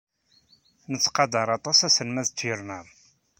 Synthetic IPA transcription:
nət͡sːqɑd̪əɾˤɑt̪ˤɑsæsənmæðt͡sːjəɾnæm

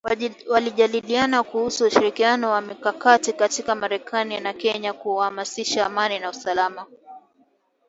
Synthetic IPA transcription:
waliʄalilianakuhusuuʃiɾikianɔwamikakatikatikamaɾɛkʰaninakɛɲakuhamasiʃaːmaninausalama

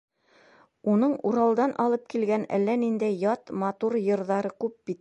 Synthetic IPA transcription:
unɤɴuɾɑlˠd̪ɑnʔɑlˠɤp̚kilɡænæ̰lːænind̪æjjːɑt̪mɑt̪uɾjɤ̆ɾðɑɾɤkʉp̚bit̪

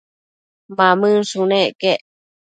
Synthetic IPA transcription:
bamɨ̃sunẽkeʔ

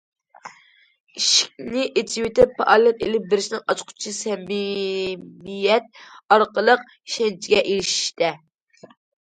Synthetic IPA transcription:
iʃi̥k̚ʲnɪʔet̪ʰiwet̪ʰɪpʰːɑʔɑlɨnelɪp̚bɪɾɪʃinɪŋɑt͡ʃqʰʊ̥t͡ʃʰisɛm | ijɛt̪̚ɑɾqəlˠəq̚ | i̥ʃɛnt͡ʃʰiɡʲɛʔeɾɪʃi̥ʃt̪ɛ

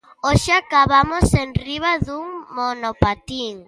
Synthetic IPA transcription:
oʃɪakaβamosenriβaðuŋmonopat̪iŋ

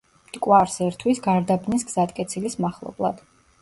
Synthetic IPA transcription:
md̪̥ʼkʼwaɾsɛɾt̪ʰwisɡaɾd̪abnis̬ɡz̥at̪̚ʼkʼɛt̪sʰilismaχlˠɔ̰blˠa̰d̪̥

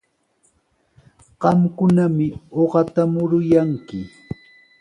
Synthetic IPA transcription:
ɢ̥ɑmkʊnamɪoɢɑt̪amʊɾʊjaŋkɪ

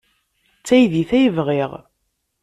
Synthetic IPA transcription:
t͡sːæjðiθæjəvʁiʁ

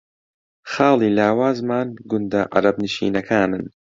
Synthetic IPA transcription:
xaːlˠiːlaːwaːzmaːnɡʊnd̪ɐʔa̰ɾɐbnɨʃḭːnɐkʰaːnɨn

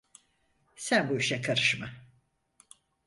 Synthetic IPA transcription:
sænbuiʃɛkʰaɾɯʃma

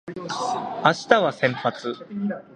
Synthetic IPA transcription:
aɕi̥t̪aβasẽ̞mpat͡sɨ

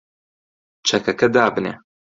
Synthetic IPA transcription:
t͡ʃʰɐkɐkɐd̪aːbɨnḛ

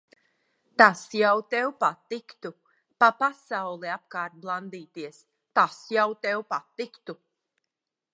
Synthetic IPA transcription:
t̪asjawt̪ɛwpat̪ikt̪u | papasawlˠɛap̚kaːɾt̪̚blˠand̪iːt̪iɛs | t̪asjawt̪ɛwpat̪ːikt̪u

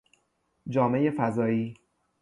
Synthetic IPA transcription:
d͡ʒɒːme̞je̞fæzɒːiː

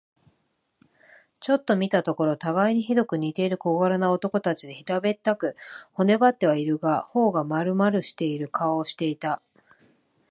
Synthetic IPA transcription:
t͡ɕo̞t̪ːo̞mʲit̪at̪o̞ko̞ɾo̞t̪aɡaiɲ̟içid̪o̞kɯ̟ɲ̟it̪e̞iɾɯ̟ko̞ɡaɾanao̞t̪o̞ko̞t̪at͡ɕid̪e̞çiɾabe̞t̪ːakɯ̟ho̞ne̞bat̪ːe̞βaiɾɯ̟ɡaho̞ːɡamaɾɯ̟maɾɯ̟ɕi̥t̪e̞iɾɯ̟kʰaoːɕi̥t̪e̞it̪a

